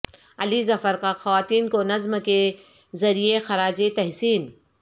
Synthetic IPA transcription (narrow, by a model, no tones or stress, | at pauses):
ɐlizɐfəɾkaxɐʋaːt̪iːnkonɐzmke | zɐɾijexɐɾaːd͡ʒet̪ɛɦsiːn